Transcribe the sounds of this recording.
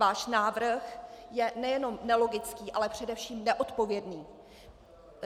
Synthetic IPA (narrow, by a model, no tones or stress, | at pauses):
aːʃnaːvr̩xjɛnɛjɛno̞mnɛlo̞ɡɪt͡skiːʔalɛpr̝̥ɛdɛfʃiːmnɛʔo̞t̪po̞vjɛdniː